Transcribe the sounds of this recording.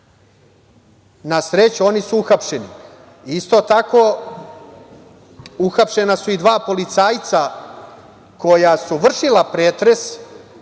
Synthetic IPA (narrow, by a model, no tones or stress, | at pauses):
nasɾet͡ɕuo̞nisuuxapʂenḭ | ist̪o̞t̪ako̞ | uxapʃe̞nasuid̪ʋaːpo̞lit̪saːjt̪sa | ko̞jasuʋr̩ʃilapɾeːt̪ɾe̞s